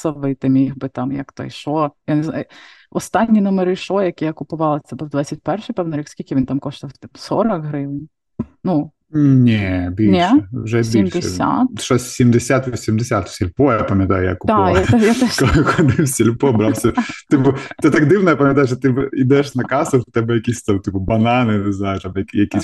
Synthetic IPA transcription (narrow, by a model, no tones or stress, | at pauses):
sɐʋɪt̪ɪmʲixbɨt̪ɑmjɐ̰kt̪ɔ̰jʃɔjaneznɑ̰jʊ | ɔst̪ɑnʲːinɔmɐɾɪʃɔjɐkʲijɐkʊpʊʋɑlˠɪt̪sʲɛbɛwd̪ʋɛt͡sʲːɐt̚ʲpɛrʃɪjpɛwnɪɾʲikskʲilʲkʲɪʋʲint̪ɑmkɔʃt̪ɪwt̪msɔɾɐkɦɾɪwn | nu | nʲɛbʲinʲɛɛwʒɛbʲimʲd̪eɛsʲa̰t̪ʃɔsʲsʲimd̪esʲat̪ʋʲisʲimd̪esʲat̪sʲɐlʲpɔjapɐmʲjɐt̪a̰jʊja̰kʊd̪ɑjaɛjat̪ɛʃkɔɪxɔd̪ɪwsʲɐlʲpɔbɾɑwsʲɐt̪ɪpʊt̪ɛt̪akd̪ɪwnɔjapɐmʲjɐt̪ajʊʃɔt̪ɪbɛid̪ɛʃnɐkɑsʊwt̪ɛbɛjɐkʲisʲt̪amt̪ɪpʊbɐnɑnɪnɪznɑjʊt̪ɑmjɐkjɐkʲisʲ